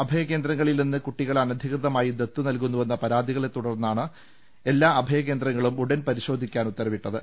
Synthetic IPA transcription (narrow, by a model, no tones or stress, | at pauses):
ɐbʱɐjɐke̞ːnd̪ɾɐŋːɐɭilninːɨkuʈːiɣɐɭɐnɐd̪ʱikrɨðɐmaːjid̪et̪ːɨnɐlk̬unːuʋe̞nːɐpɐɾaːd̪ʱiɣɐɭe̞t̪ːuɽɐrnːaːɳɨ | e̞lːaːɐbʱɐjɐke̞ːnd̪ɾɐŋːɐɭumuɽɐnpɐɾiɕo̞ːd̪ʱikʲːaːnut̪ːɐɾɐmiʈːɐðɨ